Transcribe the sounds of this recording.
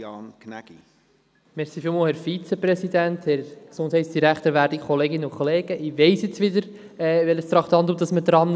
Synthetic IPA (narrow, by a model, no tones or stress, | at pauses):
ɑːnknæ̰ɡ̥ḭ | mɛɾsifiːlˠmoːlhɛɾfit͡sɛpɾɛsid̪ænt̪hɛɾsʊnshɛɪsd̥iɾækt̪əɾʋæːɾdikʰɔleːɡɪnːəʊkχoleːɡ̥əʔɪʋeɪsjɪt͡sʋɪdəɾ | ɛvʋɛləst̪ɾɑχtɑntdumd̥̪ɑsməd̪ɾɑn